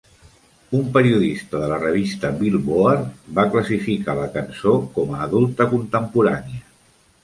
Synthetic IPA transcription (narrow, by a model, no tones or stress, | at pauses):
umpəɾiuðist̪əðələrəβ̞ist̪əβilˠβoarbakləsifikaləkənsokɔməːðulˠt̪əkunt̪əmpuɾaniə